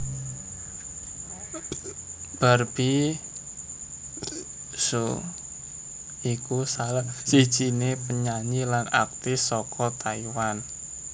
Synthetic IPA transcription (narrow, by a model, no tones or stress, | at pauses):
b̥a̤rb̥i | so̰ | ikusalasid̥ʒ̥inepəɲaɲilana̰k̚t̪ɪsɔkʰɔt̪aiwan